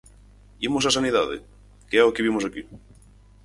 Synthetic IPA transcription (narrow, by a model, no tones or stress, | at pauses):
imʊs̬as̬aniðaðɪ̰ | keɛʊkɪβimʊsaki